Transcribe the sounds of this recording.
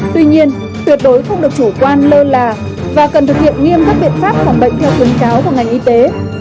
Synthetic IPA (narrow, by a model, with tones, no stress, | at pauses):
t̪wi˧ɲi˧ən | t̪wi˨˩ət̚ɗo˨˦jxə˧wŋ͡mɗɨ˨˩ək̚t͡ɕu˧˩kwaː˧nləː˧laː˨˩ | vaː˨˩kə˨˩nt̪ʰɨ˨˩k̚hḭ˧˨ənŋi˧əmk̪aː˦˥k̚ɓḭ˧˨ənfaː˦˥p̚faː˧˩nɓə̰˧˨jŋ̟t̪ʰɛ˧wk̪i˨˦ənkaː˨˦wka˧˩ŋa˨˩jŋ̟ʔi˧t̪e˨˦